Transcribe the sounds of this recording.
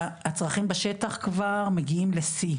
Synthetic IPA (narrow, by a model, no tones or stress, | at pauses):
hat͡sʁaχimbeʃet̪aχkvaʁmeɡiimlesi